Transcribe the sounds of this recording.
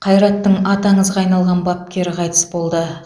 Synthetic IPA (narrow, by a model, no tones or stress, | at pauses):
qʰɑjɾɑt̪ːəɴɑt̪ɑɴəzʁɑːjnɑlˠʁɑnbap̚kʲe̞ɾɪqʰɑjt̪ə̥sbo̞lˠd̪ə